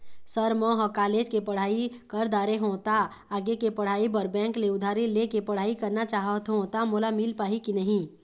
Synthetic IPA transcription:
səɾmõɦɔkaːleːd͡ʒkepɐɽ̤aːikɐɾd̪aːɾeɦõːt̪a | aːɡekepɐɽ̤aːipɐɾbɛ̃ːŋkleʊd̪ʱaːɾilekepɐɽ̤aːikɐɾnat͡ʃaːɦt̪ɦõt̪amolamiːlpaːɦikinɐɦĩː

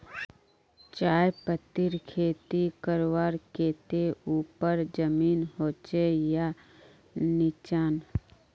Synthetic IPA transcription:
t͡ʃaːepət̪ːɪɾkʰeːt̪ikəɾwaːɾkeːt̪euːpəɾd͡ʒəmiːnhoːt͡ʃeja | nɪt͡ʃaːn

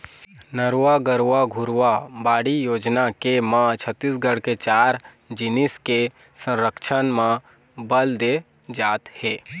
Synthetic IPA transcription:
nəɾaɡəɾʋaɡʱʊɾwabaːɽijoːd͡ʒnakemãt͡ʃʰət̪ːisɡəɽket͡ʃaːɾ | d͡ʒɪnɪske | sə̃ɾəkʃʰənmã | bəld̪e | d͡ʒaːt̪heː

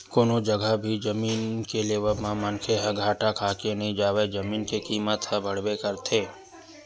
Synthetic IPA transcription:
koːnod͡ʒəɡʱəbʱid͡ʒəmiːnkeleʋəmãmənkʰeɦɐɡʱaːʈakʰaːkenəɦĩd͡ʒaːʋed͡ʒəmiːnkekiːmət̪ɦəbʱəɽ̤wekəɾt̪ʰeː

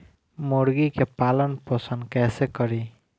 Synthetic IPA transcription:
moɽɡikepalənpəsənd̪kɛsekəɾi

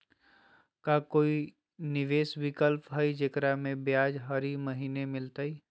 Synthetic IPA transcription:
kakoːi | nɪʋeːswɪkəlpɦəid͡ʒekɾamẽbjaːd͡ʒɦɐɾiməɦiːnemɪlt̪ai

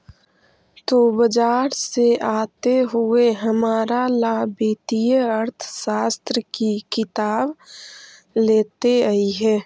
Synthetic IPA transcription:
t̪oːbəd͡ʒaːɾseaːt̪eɦʊeɦɐmaːɾalaːbiːt̪ijəəɾt̪ʰʃaːst̪ɾəkikɪt̪aːb | leːt̪eəiɦɛ̃ː

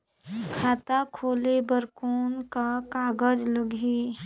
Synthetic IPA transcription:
kʰaːt̪akʰoːlebəɾkoːnkakaːɡəd͡ʒləɡʱi

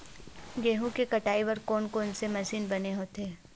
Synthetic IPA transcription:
ɡeːɦũkekɐʈaːiʋɐɾkoːnkoːnsemɐsiːnbɐneɦoːt̪eː

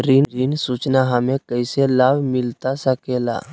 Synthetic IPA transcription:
ɾinɾinsuːt͡ʃnaɦəmẽkəɪselaːbmɪlt̪asəkeːla̰

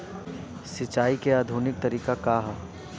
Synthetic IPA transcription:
sɪt͡ʃːaːikeaːd̪ʱuːnɪk̚t̪ɐɾiːkakaːɦ

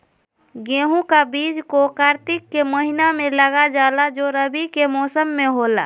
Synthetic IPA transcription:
ɡẽːɦũkabiːd͡ʒkokaːɾt̪ɪkːeməɦinamẽləɡad͡ʒaːlad͡ʒoɾəbikemɔːsəmːẽɦoːla̰

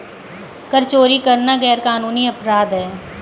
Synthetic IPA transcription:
kəɾt͡ʃoːɾikəɾnaɡɛːɾkaːnuːniɐpɾaːd̪ɦɛː

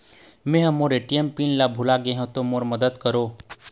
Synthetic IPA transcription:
mẽɦə̃moɾeʈijempinlabʱulaɡeɦõt̪omoɾməd̪əd̪kəɾo

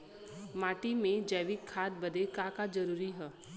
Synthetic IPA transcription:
maːʈimẽd͡ʒəːʋɪkʰːaːt̪̚bɐd̪ekaːkad͡ʒɐɾuːɾiɦɛː

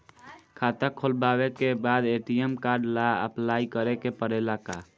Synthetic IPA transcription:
kʰaːt̪əkʰolbaːwekebaːd̪eːʈijemkaːɾɖlaə̰plaːikəɾekepəɾelaka̰

